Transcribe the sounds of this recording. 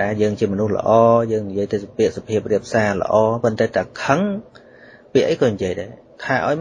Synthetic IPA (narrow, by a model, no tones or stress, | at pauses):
aːjəːŋt͡ɕiəmɔnuhlə̰̆ʔɑːjəːŋnijiəjt̪eːspiəʔsapʰiəp̚riəp̚saːlə̰̆ʔɑːpont̪aːt̪aːkʰəŋ | piəʔəjkɑːɲijiəjɗaɛ | t̪ʰaːʔaɔj